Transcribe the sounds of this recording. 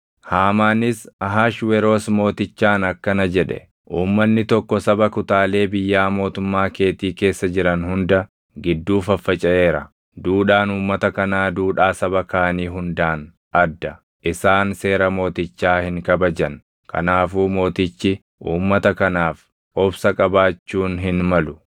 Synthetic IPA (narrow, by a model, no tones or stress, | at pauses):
haːmaːnɪsɐɦaːʃwɛɾoːsmo̞ːt̪ɪt͡ʃːaːnɐkːɐnɐd͡ʒɛᶑɛ̰ | ʔuːmːɐnːɪt̪ɔkːɔsɐbɐkʊt̪aːle̞ːbɪjːaːmo̞ːt̪ʊmːaːke̞ːt̪iːke̞ːsːɐd͡ʒɪɾɐnhʊnd̪ɐ | ɡɪd̪ːuːfɐfːɐt͡ʃʼɐʔe̞ːɾɐ | d̪uːᶑaːnuːmːɐt̪ɐkɐnaːd̪uːᶑaːsɐbɐkaːniːɦʊnd̪aːn | ʔɐd̪ːɐ | ʔɪsaːnse̞ːɾɐmo̞ːt̪ɪt͡ʃːaːhɪŋkʼɐbɐd͡ʒɐn | kʰɐ̰naːfuːmo̞ːt̪ɪt͡ʃːɪ | ʔuːmːɐt̪ɐkɐnaːf | ɔbsɐkʼɐbaːt͡ʃːuːnɦɪnmɐlʊ